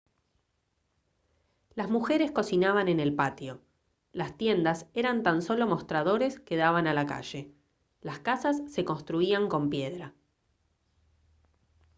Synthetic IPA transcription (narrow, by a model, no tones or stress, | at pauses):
lazmuxe̞ɾe̞sko̞sinaβane̞ne̞lpat̪jo̞ | last̪je̞nd̪aseɾant̪anso̞lo̞mo̞st̪ɾaðo̞ɾe̞skeðaβanalaka̰ʒ̥e̞ | laskasasːe̞ko̞nst̪ɾuiaŋko̞mpje̞ðɾa